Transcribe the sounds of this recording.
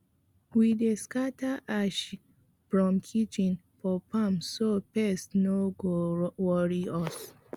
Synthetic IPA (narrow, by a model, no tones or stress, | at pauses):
wideskataʔaʃ | fɹɔ̃mkʰit͡ʃĩn | fɔpʰamsopɛstnoɡowɔɹiɔs